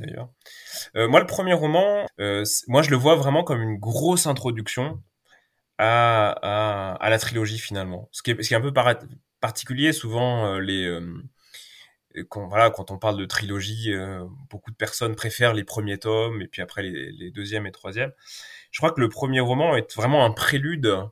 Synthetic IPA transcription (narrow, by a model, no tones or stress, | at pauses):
d̪a̰jœ̰ːʁømwaləpχəmjeʁɔmɑ̃øsmwaʒələvwavʁɛmɑ̃kɔmynɡʁosɛ̃t̪χɔd̪yksjɔ̃ | aaa̰lat̪χilɔʒifinalmɑ̰̃sə̥kʲiɛsəkʲɛɛ̃pøpa | paʁt̪i̥kʲyljesuvɑ̃øleøm | kɑ̃vwalakɑ̃t̪ɔ̃paʁld̪ət̪χilɔʒiøb̥okud̪əpɛʁsɔnpχefɛʁlepχəmjet̪ɔmepɥiapχɛlḛled̪øzjɛmet̪χwazjɛmʒə̥kχwakələpχəmjeʁɔmɑ̃ɛt̪vʁɛmɑ̃ɛ̃pχelyd̪